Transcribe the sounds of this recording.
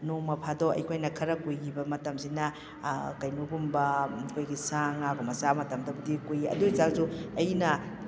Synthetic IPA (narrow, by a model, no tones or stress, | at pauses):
nomɐpʰadɔʔɐ̰jkʰojnɐkʰɐɾɐkujɡibɐmɐtɐmsinɐ | kɐjnuɡumbɐkʰojɡisaŋakomɐsamɐtɐmdɐbudikujiɐ̰dujzakzuɐjnɐ